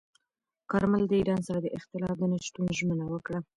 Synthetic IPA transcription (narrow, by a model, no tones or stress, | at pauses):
kɑɾməld̪əiɾɑnsaɾad̪əʔɪχt̪ɪlɑfd̪ənaʃt̪unʒmənawəkɽa